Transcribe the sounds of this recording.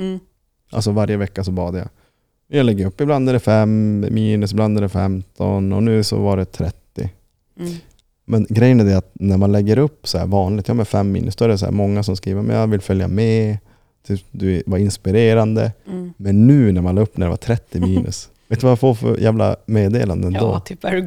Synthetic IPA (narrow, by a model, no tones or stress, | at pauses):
ʔa̰ls̬ɔvaɾjəvɛkːasɔbɑːd̪əja̰ | mɛnjɑːlɛɡːəɾɵpːɪbland̪æɖɛfɛmmiːnɵsɪbland̪æɖɛfɛmt̪ʰɔ̰nɔ̰nʉ̟ːsɔ̰vaɖɛt̪ʰɾɛt̪ːɪ̰ | mɛnɡɾɛjənæd̪ɛat̪̚næɾmanlɛɡːəɾɵpːsɔæ̰ːɾvɑːnlɪɡt̪jɑːmɛfɛmːḭːnəsd̪ɔɛæɾɛsæ̰ːɾmɔŋːas̬ɔmskɾiːvəɾmɛ̰njɑvɪlfœlja̰mɛ | t̪ʰyːpd̪ɵvaɾɪnspɪɾeːɾand̪ə̰mɛnːʉ̟ːnæɾmanɑɡpːnæɖɛva̰t̪ʰɾɛt̪ːɪmiːnʔɵ̰s | veːt̪ːʉvajafoːfœ̰ɾjæːvla̰meːd̪ḛːland̪əɛno̰ːp